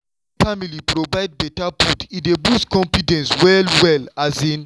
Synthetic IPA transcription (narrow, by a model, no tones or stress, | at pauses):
familipɾovaɪd̚bɛtaputidebuskɔ̃mpitɛ̃nswɛlwɛlazĩn